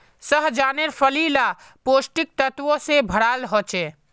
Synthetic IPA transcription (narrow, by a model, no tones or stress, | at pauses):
səɦd͡ʒaneɾpʰəlila | posʈik̚t̪ət̪wõsebʱəɽalɦot͡ʃɛ